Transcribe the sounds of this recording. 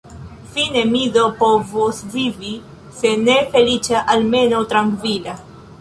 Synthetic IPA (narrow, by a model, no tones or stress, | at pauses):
finemiðopovosvivi | senefelit͡ʃaʔalme̞not̪ɾaŋkvila